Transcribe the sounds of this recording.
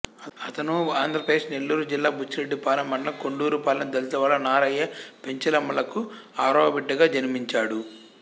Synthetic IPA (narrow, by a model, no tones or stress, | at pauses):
ɐt̪ɐnuaːnd̪ɾɐpɾɐd̪eːʂne̞lːuːɾud͡ʒilːaːbʱut͡ʃɾe̞ɖːipaːlɐmːɐɳlɐkoɳɖuːɾupaːlɐnd̪ɐlt̪ɐʋaːɭːɐnaːɾɐjːɐpe̞ɲt͡ʃɐlɐmːɐlɐkuaːɾɔːɐbiɖːɐɡaːd͡ʒɐnimiɲt͡ʃaːɽu